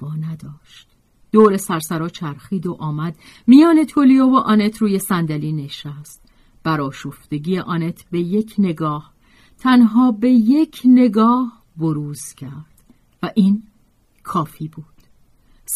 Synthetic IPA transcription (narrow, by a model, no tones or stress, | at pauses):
vɒːnæd̪ɒːʃt̪ | d̪̥oːɾesæɾsæɾɒːt͡ʃʰæɾxiːd̪oʔɒːmæd̪ | mijɒːne̞t̪ʰolijoːvoʔɒnet̪ʰɾuːje̞sænd̪æliːne̞ʃæst̪̚ | b̥æɾɒːʃoft̪e̞ɟiːjeʔɒːne̞t̪ʰbe̞je̞cʰne̞ɡɒːh | t̪ʰænɦɒːbe̞je̞cʰne̞ɡɒːh | boɾuːzcʰæɾd̪̥ | væʔiːn | kʰɒːfiːbuːd̪̥